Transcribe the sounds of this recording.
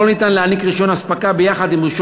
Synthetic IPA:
onit̪anleanikʁiʃo̞naspakabejaχad̪imʁiʃ

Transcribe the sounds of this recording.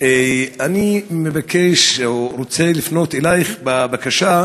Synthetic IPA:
eanimevakʰeʃoɾot͡selifno̞t̪elajχbabakaʃa

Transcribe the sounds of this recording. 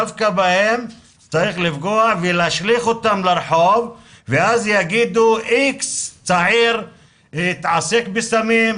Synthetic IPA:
avkabahem | t͡saɾiχlifɡoaħvelaʃliχot̪amlaɾħov | veazjaɡid̪uʔikst͡saʕiɾ | it̪ʕasekbesamim

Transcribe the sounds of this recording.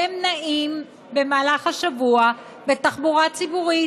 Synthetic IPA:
emnaʔim | be̞maːlaχhaʃavua | bet̪aχbuʁat͡sibuʁi

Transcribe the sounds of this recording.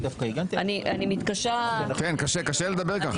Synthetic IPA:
d̪afkaiɡant̪ianiʔanimit̪kaʃakenkaʃekaʃeled̪abeʁkaχ

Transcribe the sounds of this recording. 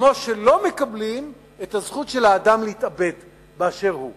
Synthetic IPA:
mo̞ʃe̞lo̞me̞kablim | etazχutʃe̞lhaːd̪amleitabe̞t̪ | beaʃe̞ʁhu

